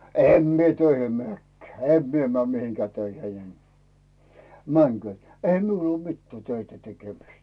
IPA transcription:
em mie tøihim meæˑkːæ̥ː em mie mĕæˑ mihiŋkæː tøiheĭ en mæŋky̆øˑt eihæ miul uo mitːæː tøitæ tekemistæ̥

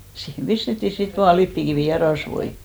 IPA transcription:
siːhem pistetːi sit ʋɑː lipːikiʋiˑ jɑ rɑsʋoi

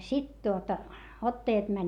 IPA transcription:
sit tuotɑ otːɑjɑt mænʲ

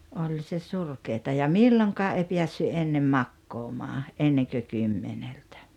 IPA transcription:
olʲ se surkeːtɑ jɑ milːoŋkɑː ei piæsːy enːem mɑkːoːmɑː ʔenːeŋkø kymːeneltæ̥

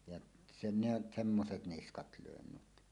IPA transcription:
jɑʔ sene semːoset niskɑt løˑen nyt

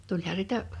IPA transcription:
tulʲhɑ sitæ

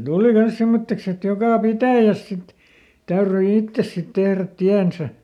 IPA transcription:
tuˑli kɑns semːotːeks et jokɑˑ pitæˑjæs sit tæyryi itːes sit tehræt tiænsæ

